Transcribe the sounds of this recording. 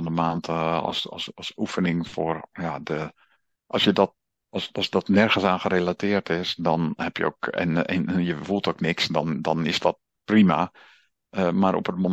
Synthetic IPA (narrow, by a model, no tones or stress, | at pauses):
ndəmaːntsɔ̰sɔlˠsufənɪŋfoːrjadə | ʔlˠsjədɔt | sɑsdɔtnɛrɣən̩saːnχərelatɪːərtɪsdɔnhɛpjə̰o̰kɛ̰nɛ̰njəfulˠtoknɪksdɔndɔnɪsdɔt̚ | prima̰ | əmaɾʔɔ̰pət̚mo